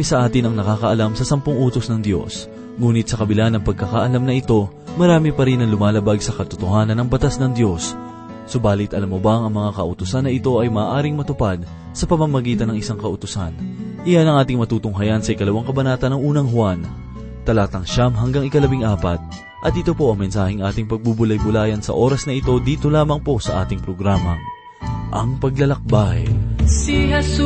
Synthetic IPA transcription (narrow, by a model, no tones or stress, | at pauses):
isɐʔaːt̪ɪnɐŋnɐkaːkɐʔɐlamsɐsɐmpoŋʔuːt̪osnɐŋd̪jo̞̰s | ŋuːnɪt̪̚sɐkɐbɪlanɐŋpɐɡ̚kɐkaʔɐlamnɐʔɪt̪o̞ | mɐɾaːmipɐɾinːɐŋlʊmaːlɐbaɡsɐkɐt̪ʊt̪ohaːnɐnːɐŋbɐt̪asnɐŋd̪jo̞sː | o̞baːlɪt̪ʔɐlamːobɐŋɐŋmɐŋakɐʔʊt̪ʊsanːɐɪt̪o̞ʔɐjmɐːʔaːɾɪŋmɐt̪ʊpad̪̚ | sɐpɐmɐmɐɡiːt̪ɐnːɐŋɪsaŋkɐʔʊt̪ʊsanʔɪjanɐŋʔaːt̪ɪŋmɐt̪uːt̪ʊŋɦɐjansɐʔɪkɐlɐwaŋkɐbɐnaːt̪ɐnːɐŋʔuːnɐŋɦʊwan | t̪ɐlaːt̪ɐŋʃamɦɐŋɡaŋɪkɐlɐbiŋʔaːpɐt̪̚ | ʔɐt̪̚ɪt̪o̞po̞ʔɐŋmɛnsaːhɪŋʔaːt̪ɪŋpɐɡ̚bubʊlajbʊlaːjɐnsɐ̰ʔo̞ːɾɐsnɐʔɪt̪o̞d̪iːt̪o̞laːmɐŋpo̞sɐ̰ʔaːt̪ɪŋpɾoɡɾaːmɐŋ | ʔɐŋpɐɡlɐlɐk̚bahɛ̰siɛ